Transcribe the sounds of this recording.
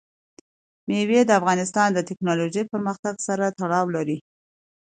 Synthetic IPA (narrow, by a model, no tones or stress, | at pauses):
mewed̪əafɣɑnɪst̪ɑnd̪ət̪ɪknɑloʒəjpəɾməxt̪aɡsaɾat̪aɽɑwlaɾi